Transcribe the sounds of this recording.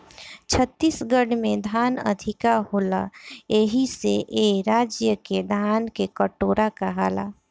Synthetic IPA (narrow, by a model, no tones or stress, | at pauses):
t͡ʃʰət̪ːiːsɡəɽmẽd̪ʱaːnə̰d̪ʱɪkahoːlaeɦiseʔeɾaːd͡ʒjəked̪ʱaːnkekəʈoːɾakaɦaːla̰ː